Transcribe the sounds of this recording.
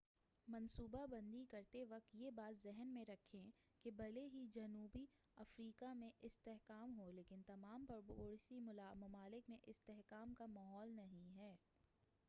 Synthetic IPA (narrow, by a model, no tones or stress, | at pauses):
mɐnsuːbabɐ̃nd̪ikɐɾt̪eʋɐk̚t̪jebaːt̪zɛɦnmẽɾɐkʰẽ | kebɐleɦid͡ʒɐnuːbi | ɐfɾiːkamẽʔɪst̪ɛɦkaːmɦoleːkɪnt̪ɐmaːmpoɾsimɐmaːlɪkmẽʔɪst̪ɛɦkaːmkamaɦɔːlnɐɦĩɦɛː